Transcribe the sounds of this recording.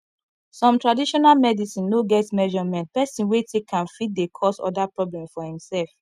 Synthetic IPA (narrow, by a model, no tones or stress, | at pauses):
sɔ̃mtɹadiʃɔnalmɛdisĩnloɡɛtmɛʒɔmɛ̃nt̚pɛsĩnwetʰekʰːãnfit̚dekʰɔsɔ̰dapɹɔblɛ̃mfɔhĩmsɛlf